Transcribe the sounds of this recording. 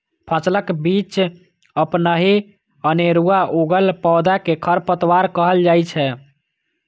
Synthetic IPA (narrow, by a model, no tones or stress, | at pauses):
pʰə̃sləkbit͡ʃ | əpnəɦi | əneɾuaʔoɡəlpɔːd̪akekʰəɾpət̪waɾkəɦəld͡ʒajt͡ʃʰɛ